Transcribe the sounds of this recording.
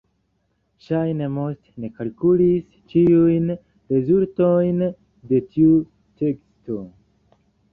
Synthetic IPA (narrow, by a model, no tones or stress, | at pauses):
ʃajne̞mo̞stne̞kalkulis | t͡ʃiujn | ɾe̞zulto̞jn | de̞tʰiu | tʰe̞ksto̞